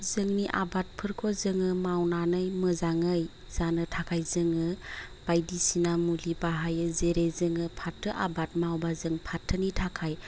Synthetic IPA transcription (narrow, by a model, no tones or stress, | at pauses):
zɯŋniʔa̰bat̚pʰɯɾkʰozɯŋɯmawnanɯjmɯzaŋɯj | z̥anɯtʰakʰajzɯŋɯ | b̥ajdisinamulibaɦajɯzeɾezɯŋɯpʰatʰːɯʔabat̚mawbazɯŋpʰatʰːɯnitʰakʰaj